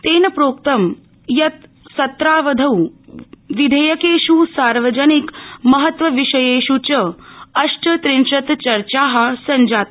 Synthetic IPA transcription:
t̪eːnɐpɾoːkt̪ɐm | jɐt̪ | sɐt̪ɾaːʋɐd̪ʱɐw | ʋid̪ʱeːjɐkeːʃuːsaːɾʋɐd͡ʒɐnikmɐɦɐt̪ʋɐʋiʂɐjeːʃut͡ʃɐɐʂʈɐt̪ɾinʃɐt̪t͡ʃɐɾt͡ʃaːɦɐ̆sɐɲd͡ʒaːt̪̚

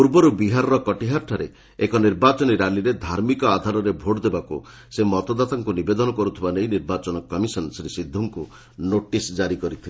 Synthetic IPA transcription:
puɾbɔɾubiɦaɾɔɾɔkɔʈiɦaɾʈʰaɾe | ekɔniɾbat͡ʃɔniɾaliɾed̪ʱaɾmikɔad̪ʱaɾɔɾebʱoɽd̪ebakṵ | semɔt̪ɔd̪at̪aŋkunibed̪ɔnɔkɔɾut̪ʰibanejniɾbat͡ʃɔnɔkɔmisɔnsiɾisid̪ʱːuŋku | noʈisd͡ʒaɾikɔɾit̪ʰile

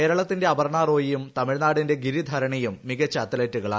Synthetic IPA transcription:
e̞ːɾɐɭɐt̪ːinde̞ɐbɐrɳaːro̞ːjijumt̪ɐmiɻnaːɽinde̞ɡiɾid̪ʱɐɾɐɳijumːiɣɐt͡ɕːat̪ːɐletːuɣɐɭa̰ː

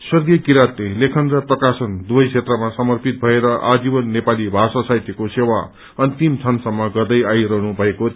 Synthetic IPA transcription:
swʌrɡiʌkiɾat̪lelekʰʌnrʌprʌkasʌnd̪ubʌjkʰet̪rʌmasʌmʌrpit̪̚bʱʌeɾʌʔad͡zibʌnːepalibʱasasajt̪jʌkosewa | ʌnt̪imt͡sʰʌnsʌmːʌɡʌrd̪ʌjajɾʌɦnubʱʌeko

